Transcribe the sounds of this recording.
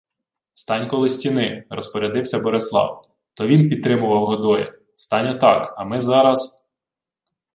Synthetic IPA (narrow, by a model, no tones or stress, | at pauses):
st̪ɑnʲkɔlˠɪsʲtʲinɪrɔspɔɾʲɛd̪ɪwsʲɐbɔɾɪslˠɑ̰w | t̪ɔʋʲinpʲid̪̚t̪ɾɪmʊʋɐwɦɔd̪ɔjɛ̰ | st̪ɑnʲɔt̪ɑkɐmɪzɑɾɐs